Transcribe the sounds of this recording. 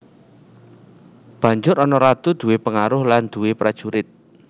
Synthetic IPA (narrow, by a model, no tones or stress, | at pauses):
b̥a̤ɲd͡ʒʊɾɔnɔɾat̪ud̪̥ṳwepəŋaɾʊhland̪̥ṳwepɾad̥ʒ̥uɾɪt̪̚